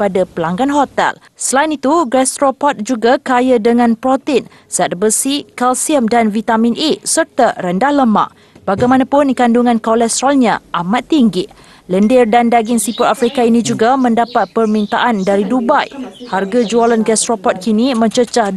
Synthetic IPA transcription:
padapəlaŋɡanɦot̪ɛ̰l | səlainit̪uɡɛst̪ɾopɔt̪̚d͡ʒuɡakajadəŋãnpɾot̪ɪn | səat̪̚bəsikalsiəmdanvit̪amĩnʔesərt̪aɾəndahləma̰ʔ | b̥aɡajmanapʊnkanduŋãnkolɛst̪ɾalɲãʔamat̪ːiŋɡi | ləndɪrdandaɡɪnsipuɾafɾikainĩd͡ʒuɡamə̃ndapat̪̚pərmĩnt̪a̰ʔandaɾidubajharɡad͡ʒualanɡast̪ɾopɔt̪̚kinimə̃ɲt͡ʃət͡ʃah

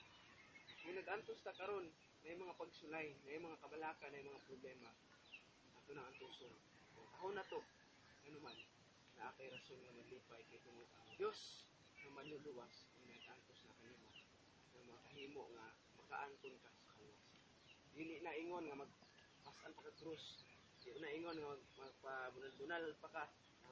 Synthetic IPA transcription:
majnɐɡʔant̪ost̪akɐɾonː | ajʊmɐŋapaɡsʊlajnajʊmɐŋakɐbalaːkanajmɐŋapɾʊblɛːma | at̪ʊnaŋʔant̪uːson | kʊŋt̪aɦonat̪o | ŋanʊmanː | aʔaːk̪ajɾasonŋamaɡ̚liːpajkajk̪ʊŋʊt̪a̰d̪jos | ŋamanʊluwasamaaɡant̪ʊsnakanima | ŋamakaɦiːmoʔŋa | maka̰ʔant̪ʊnkasḁkalwas | d̪iːlɪʔnaʔɪŋonŋamaɡ̚ | pasʔanpakakɾʊs | d̪ɪʔʊnaɪŋonŋaɡ̚mapabʊnalbʊnalalpaka

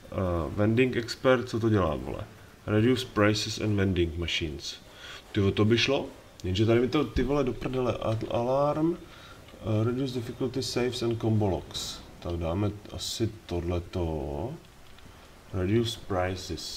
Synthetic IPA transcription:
vɛndɪŋkɛkspɛɾt̪̚t͡sot̪oɟɛla̰ːvo̰lɛ̰ | ɾɛdjuspɾajsɪsɛ̰nvɛndɪŋkmaʃiːns | t̪ɪvot̪obɪʃlo | jɛnʒɛt̪adɪmɪt̪ot̪ɪvolɛdopɾɛdɛlɛ̰ʔaʔalaɾm | ɾɛdjuːs̬dɪfɪkult̪ɪsɛjfsɛn̚kombolo̰kst̪aɡdaːmɛʔa̰sɪt̪odlɛt̪o | ɾɛdjuspɾajsɪs

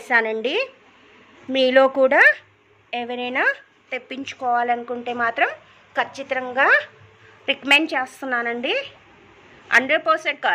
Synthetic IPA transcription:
ʃaːnɐɳɖi | miːlo̞ːkuːɽaː | ɛʋɐɾɐjnaː | t̪e̞pːiɲt͡ʃu̥kɔːʋaːlɐnukuɳʈe̞ːmaːt̪ɾɐm | kʰɐt͡ʃːit̪ɾɐŋɡaː | ɾikɐmeɳɖt͡ʃeːst̪unːaːnɐɳɖi | ɐ̰ɳɖɐpɐseɳʈ̚kaː

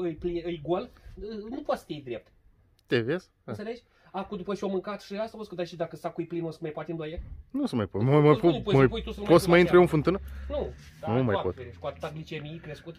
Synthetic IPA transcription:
ɨjpliɨjɡolɨnupoat̪sə̥t̪iejd̪ɾe̞p̚t̪ | t̪evez̥ | nsele̞t͡ʃʲ | akud̪upəʃiomɨŋkat̪ʃiast̪aposkəd̪aʃid̪akəsakujplinosəmajpoat̪ʲɨnd̪oojenusəmajpomamɐp̪upomjpujt̪usəpot̪səmaint̪ɾueɨ̃nfɨnt̪ɨnənud̪anumajpaot̪eɾe̥koat̪ɨ̥t̪aɡlit͡ʃenʲijkɾe̞skut̪

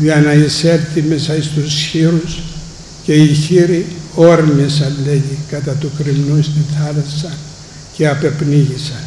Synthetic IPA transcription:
ɐnɐiseɾt̪imesɐist̪usçiɾus | ce̞içiɾio̞ɾmisɐleʝikɐt̪ɐt̪ukɾimnuist̪iθɐlɐsɐ | ceɐpe̞pniʝisɐn

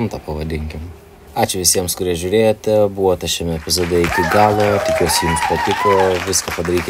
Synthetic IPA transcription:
mt̪ɑpɐʋɐd̪ʲɪŋʲkʲɪm | ɑːt͡ʃʲʊʋʲɪsʲiɛmskʊɾʲiɛʒʲʊɾʲeːjoːt̪ʲɛbuːʋoːt̪ʲɐʃʲɛmʲɛɛpʲɪzoːd̪ʲɛɪkʲɪɡɑːlˠoːt̪ʲɪkʲuɔsʲɪjumʃpɐt̪ʲɪkoːʋʲɪskɐpɐd̪ɐɾʲiːkʲ

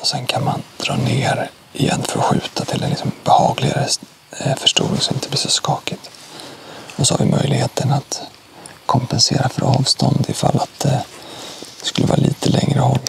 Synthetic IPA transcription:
ɔsɛnkʰanmand̪̥ɾɑːneːɾ | ʔɪjɛnːfœɾɧʉ̟ːt̪ʰat̪ʰɪlɛnɪksɔmbɛhɑːɡlɪɡaɾə | fœʂʈuːɾɪŋsɔmɪnt̪ʰəblɪʂɔskɑːkɪt̪ | ɔsɔhaɾvɪmʔœjlɪheːt̪ənat̪ | kʰɔmpɛnseːɾafœɾɑːvst̪ɔnd̪ɪfalːat̪̚d̪ɛ | d̪ɛskɵlːəvɑːɾaliːt̪ʰəlɛŋɾəhɔlː

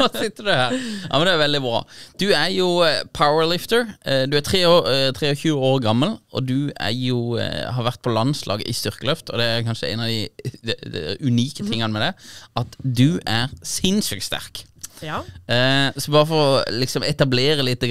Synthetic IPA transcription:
ɑsɪt̪ːəd̪ʉhæːɾjʔɑ̰ːmnd̪ɛæɾʋɛld̪ɪbɾɑ̰ːd̪̥ʉæɾjʊpʰaʊəɹlɪft̪əɹd̪ʉæɾt̪ʰʁeːoːt̪ʰʁeːɔçʉːəoːɾɡɑmːəlʔɔ̰d̪ʉæ̰ɾjʊɦɑɾʋæɾʁt̪̚pʰɔlɑnslʔɑ̰ːɡə̰ʔɪst̪ʏʁkəlœft̪ʰɔd̪ɛækʰɑnʃəɛ̰ɪnɑd̪ɪ | ʉniːkət̪ʰɪŋːənəmɛd̪ɛʔɑt̪d̪ʉæɾsɪnsɪːk̚st̪æ̰ɾk | sɔbɑːɾəfɔɾɔlɪksɔmʔɛt̪ɑbleːɾəlɪt̪̚d̪ɛ

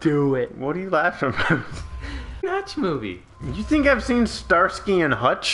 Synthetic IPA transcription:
d̥ɨɪt̚wʌdɨjɨlæfɹʌ̃moz̥nʌt͡ʃmuvḭ | jɨθɪ̃ŋkaɪv̥sĩnstɑɹskiɨ̃nhʌt͡ʃ

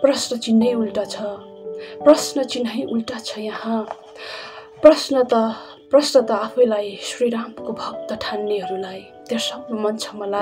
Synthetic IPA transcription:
prʌsnʌt͡sinːʌjulʈʌt͡sʰʌ | prʌsnʌt͡sinːʌjʔulʈʌt͡sʰʌjʌhã | prʌsnʌt̪ʌ | prʌsnʌt̪ʌapʰʌjlajsriɾampkobʱʌk̚t̪ʌʈʰanːeɦʌɾulaj | t̪asʌbʌmʌnt͡sʰʌ̥mʌla

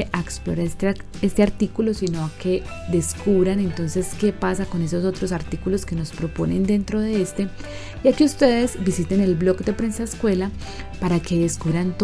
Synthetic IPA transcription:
ʔaeksplo̞ɾas | e̞st̪e̞aɾt̪ikulo̞sino̞ake̞d̪e̞skuβɾane̞nt̪o̞nse̞ske̞pasako̞ne̞so̞so̞t̪ɾo̞saɾt̪ikulo̞ske̞no̞spɾo̞po̞ne̞nd̪e̞nt̪ɾo̞ð̞e̞est̪e̞ | iakiust̪e̞ðe̞zbisit̪e̞ne̞lblo̞kd̪e̞pɾe̞nsaeskwe̞la | paɾake̞ðe̞skuβɾant̪

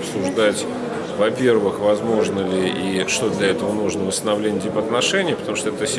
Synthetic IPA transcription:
psʊʐd̪atʲ | vɐpʲe̞rvɨxvɐzmo̞ʐnəlʲɪʔiʂt̪od̪lʲɐɛt̪əvənuʐnəvəst̪ənɐvlʲenʲɪdʲɪpɐt̪nɐʂɛnʲɪjpət̪ɐmuʂt̪oɛt̪əsʲ

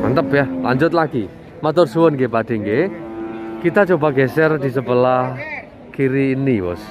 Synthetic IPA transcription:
ma̰nt̪əpjahlaɲd͡ʒʊt̪̚laɡ̥i | mat̪ʊrsuwənkepad̪̥ɛ̤ŋke | kit̪ad͡ʒobaɡɛsɛrd̪̥isəpəla | kiɾiːniwɔ̰s

